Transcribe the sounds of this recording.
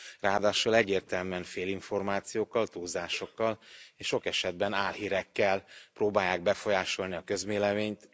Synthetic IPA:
raːd̪aːʃolɛɟːeːrt̪ɛlmɛnfeːliɱfo̞rmaːt̪sijoːkːɒlt̪uːzaːʃo̞kːɒleːʃʃo̞kɛʃɛd̪̚bɛnaːlhiːɾɛkːɛlproːbaːjaːɡ̚bɛfo̞jaːʃo̞lniɒkø̞zmeːlɛveːɲt̪

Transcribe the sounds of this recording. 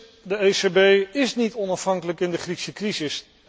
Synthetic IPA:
dəejsebejɪsnitɔnɑfɦɑŋkələkɪndəχriksəkrisɪs

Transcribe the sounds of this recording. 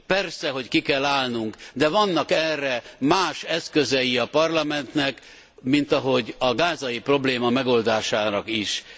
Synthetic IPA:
pɛrsɛɦo̞ckikɛlːaːlnuŋkd̪ɛvɒnːɒkɛrːɛmaːʃɛskøzɛjiɒpɒrlɒmɛnt̪nɛk | mint̪ɒɦo̞ɟɒɡaːzɒjipro̞bleːmɒmɛɡo̞ld̪aːʃaːnɒkiʃ

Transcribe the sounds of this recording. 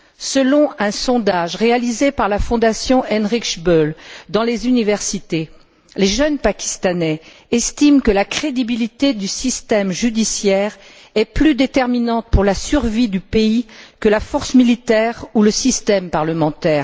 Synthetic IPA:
səlɔ̃ɛ̃sɔ̃d̪aʒʁealizepaʁlafɔ̃d̪asjɔ̃ʔɛnʁikʃbøld̪ɑ̃lezynivɛʁsit̪e | leʒənpakʲi̥st̪anɛ | ɛst̪imkəlakχed̪ibilit̪ed̪ysist̪ɛmʒyd̪isjɛːʁ | ɛplyd̪et̪ɛʁminɑ̃t̪̚puʁlasyʁvid̪ypeikəlafɔʁsmilit̪ɛʁuləsist̪ɛmpaʁləmɑ̃t̪ɛːʁ

